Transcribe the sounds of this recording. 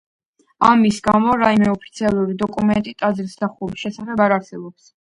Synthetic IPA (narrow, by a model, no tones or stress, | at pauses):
amisɡamɔɾaimɛɔpʰit̪sʰialˠuɾid̪ɔkʼumɛnt̪ʼit̪ʼazɾsd̪aχuɾisʃɛsaχɛbaɾaɾsɛbɔps